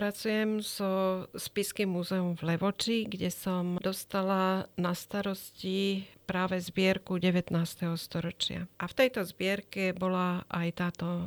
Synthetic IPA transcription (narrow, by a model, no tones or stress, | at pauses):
pɾat͡sujɛmz̥ɔspiskimːuzɛɔmvlɛʋɔt͡ʃiɡɟɛsɔmd̪ɔst̪alanast̪aɾɔscipɾaːʋɛzbɪɛɾkuɟɛʋɛt̪naːst̪ɛɦɔst̪ɔɾɔt͡ʃɪa̰ʔaft̪ɛjt̪ɔzbɪɛɾkɛbɔlaʔajt̪aːt̪ɔ